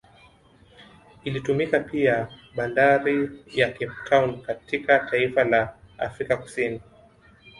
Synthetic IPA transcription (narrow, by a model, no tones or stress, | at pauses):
ilitumikapiaɓalaɾijakimptʰawnkatikatʰaifalaa̰fɾikaku̥sini